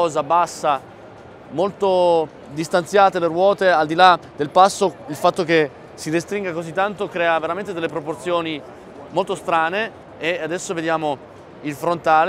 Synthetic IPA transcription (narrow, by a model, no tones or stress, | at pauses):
ɔːzabasːa | molt̪o | d̪ist̪ant̪sjaːt̪eleɾwɔːt̪eald̪ilad̪elpasːoilfat̪ːoke | sidist̪ɾiŋɡakozit̪ːant̪okɾɛːaveɾament̪ed̪elːepɾoport̪sjoːni | molt̪ost̪ɾaːneː | ad̪ɛsːoved̪jaːmo | ilfɾont̪aːl